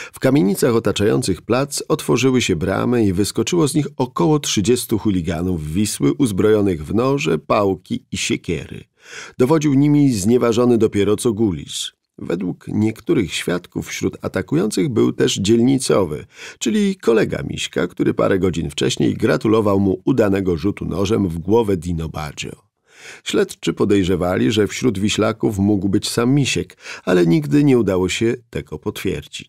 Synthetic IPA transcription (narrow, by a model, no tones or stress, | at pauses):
fkamʲjeɲit̪saxɔt̪at͡ʂajɔ̰nt̪sɘxplat̪sɔt̪fɔʐɘwɘɕɛbɾa̰mɘivɘskɔt͡ʂɘwɔzɲixɔkɔwɔtʂɘd͡ʑɛst̪uxulʲiɡanuvːʲiswɘʔuzbɾɔjɔnɘɣvnɔʐɛpawkʲiiɕekʲɛ̰ɾɘ̰ | d̪̥ɔvɔd͡ʑiwɲimʲizɲɛvaʐɔnɘd̪ɔpʲjɛɾɔt̪sɔɡulʲḭs | vɛ̰d̪wukɲɛkt̪uɾɘxɕfʲjat̪kufːɕɾut̪a̰t̪akujɔnt̪sɘɣbɘwt̪ɛʐd͡ʑɛlʲɲit̪sɔvɘ̰t͡ʂɘlʲikʰɔlɛɡa̰mʲʔḭɕka̰kt̪uɾɘpa̰ɾʔɛɡɔd͡ʑinft͡ʂɛ̰ɕɲḛjɡɾat̪ulɔvawmuud̪anɛɡɔʐut̪unɔʐɛmvɡwɔvɛd̪ʲinɔba̰d͡ʑɔ̰ | ɕlɛt̪t͡ʂɘpɔd̪ɛjʐɛvalʲiʐɛfɕɾud̪vʲiɕlakufmuɡwbɘt͡ɕsamːʲiɕɛkalɛɲiɡd̪ɘɲɛud̪awɔɕɛt̪ɛɡɔpɔt̪fʲjɛ̰ɾd͡ʑit͡ɕ